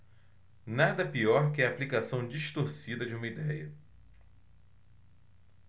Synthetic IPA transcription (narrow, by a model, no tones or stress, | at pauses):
nad̪ɐpiɔɾkɪaːplikasɐ̃w̃d͡ʒiʃt̪oɾsid̪ɐd͡ʒɪũmɐid̪ɛjɐ